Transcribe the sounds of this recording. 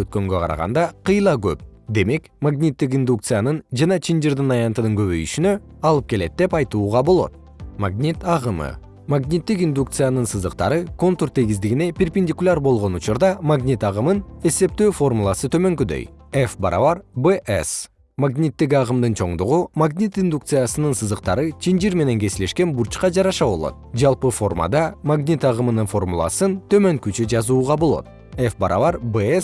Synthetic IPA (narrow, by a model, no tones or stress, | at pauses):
øt̪̚kø̞ŋɡø̞qʰɑ̰ɾɑ̰ʁɑ̰nd̪ɑqʰɯjlˠɑɡø̰p̚d̪e̞me̞k | maɡnʲit̪ːikind̪uk̚t̪sɨjanɯnd͡ʒɑnɑt͡ʃʰind͡ʒiɾd̪ɯnɑjɑnt̪ɯnɯŋkø̞βø̞̰jyʃynø̞ | ɑlˠɯp̚ke̞le̞t̪̚d̪e̞pɑjt̪uːʁɑbo̞lˠo̞̰t̪̚ | maɡnʲit̪ɑʁɯmɯ̰ | maɡnʲit̪ːikind̪uk̚t̪sɨjanɯnsɯzɯqt̪ɑ̰ɾɯko̞nt̪urt̪ʰeɡizd̪iɡinepʲɪrpʲɪnʲdʲikulʲarbo̞lˠʁo̞nut͡ʃuɾd̪ɑmaɡnʲit̪ɑʁɯmɯne̞se̞p̚t̪øːfo̞rmulˠɑsɯt̪ʰø̞mø̞ŋkyd̪ø̰jefbɑɾɑ̰vɑɾbeʔḛs | maɡnʲit̪ːik̬ɑʁɯmd̪ɯnt͡ʃʰo̞̰ɴd̪uʁumaɡnʲit̪ind̪uk̚t̪sɨjasɯnɯnsɯzɯq̚t̪ɑɾɯt͡ʃʰind͡ʒiɾme̞ne̞ŋke̞sɪle̞ʃke̞nbuɾt͡ʃqɑd͡ʒɑɾɑʃɑbo̞lˠo̞̰t̪̚d͡ʒɑlˠpɯfo̞rma̰d̪ɑmaɡnʲit̪ɑʁɯmɯnɯnfo̞rmṵlˠɑ̰sɯnt̪ʰø̞mø̞ŋkyt͡ʃyd͡ʒɑzuːʁɑbolˠo̞̰t̪ | efbɑɾɑ̰vɑɾbes